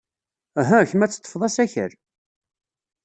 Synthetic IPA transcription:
æɦæçmæt͡sːt̪ˤːə̥fðˤæsæçə̰ɾ

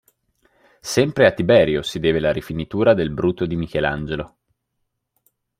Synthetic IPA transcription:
sɛmpɾeat̪ːibɛːɾjosid̪ɛːvelaɾifinit̪uːɾad̪elbɾuːt̪ːod̪imik̟ɛla̰nd͡ʒelo

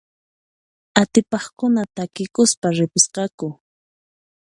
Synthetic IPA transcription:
at̪ɪpɑχkʊnat̪akɪkʊspaɾɪpɪsqɑkʊ

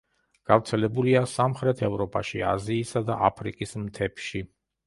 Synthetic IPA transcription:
ɡ̥avt̪sʰɛlɛbuliasamχɾɛt̪ʰɛvɾɔpʼaʃia̰ziːsad̪a̰ʔapʰɾikʼismt̪ʰɛpʰʃi

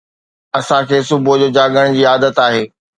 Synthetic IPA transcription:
ɐsãkʰeːsʊbʱʊd͡ʑoːd͡ʑaːɠəɽ̃d͡ʑiːaːd̪ət̪aːɦeː

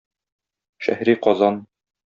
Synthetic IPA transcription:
ʃæ̰hɾiqɒzɑn

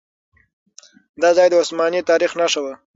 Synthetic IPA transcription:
d̪ɑzɑjd̪əʊsmɑnit̪ɑɾixnaʂəwə

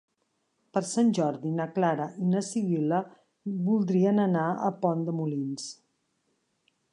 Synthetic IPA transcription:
pəɾsanʲʒɔɾðinəklaɾəʔinəsiβilə | βulˠd̪ɾiənənaə̰pɔnd̪əmulins

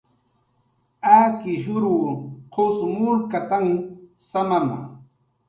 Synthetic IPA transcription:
aːkɪʒʊɾuːqʰosmʊɾkat̪aŋsamama̰

